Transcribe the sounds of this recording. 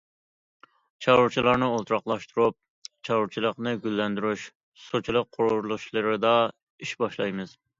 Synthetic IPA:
t͡ʃʰɑʁʊɾt͡ʃʰilˠɑɾnɨolˠt̪ʰɾɑχlˠɑʃt̪ʰuɾup̚ | t͡ʃʰɑʁʊɾt͡ʃʰilˠəqnɨɡʲylːɛnd̪yɾyʃ | sot͡ʃʰilˠəq̚qʰʊɾʊɾlˠʊʃlˠɨɾɨd̪ɑ | iʃbɑʃlˠɑ̰jmɨz̥

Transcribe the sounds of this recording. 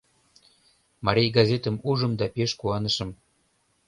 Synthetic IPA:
mɑɾʲejɡɑzʲet̪əmuʒə̆md̪ɑpeʃkuɑnəʃə̆m

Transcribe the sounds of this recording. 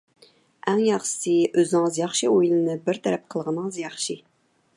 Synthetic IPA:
æŋjɑχʃɨ̥sɨøzɪnɪŋzjɑχʃiojlɨnɨbɪɾt̪ʰɛɾɛp̚qʰəlˠʁənɨŋzjɑχʃi

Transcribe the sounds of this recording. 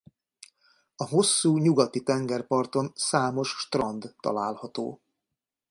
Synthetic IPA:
ɒɦo̞sːuːɲuɡɒt̪it̪ɛŋɡɛrpɒrt̪o̞nsaːmo̞ʃʃt̪rɒnd̪ːɒ̰laːlhɒt̪o̰ː

